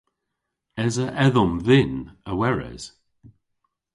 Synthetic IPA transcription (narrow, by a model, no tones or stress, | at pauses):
ɛzəʔɛðɔmðɪnəwɛɹɛ̰z̥